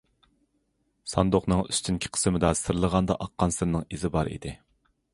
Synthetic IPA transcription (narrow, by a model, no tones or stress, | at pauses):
sɑ̰nd̪oχnɨŋyst͡ʃ̪ʰinkʲʰɪ̥qʰə̥smɪd̪ɑsɨɾlˠəʁɑnd̪ɑ̰ʔɑqːɑnsɨɾnɨŋizɪbɑɾḭd̪ɪ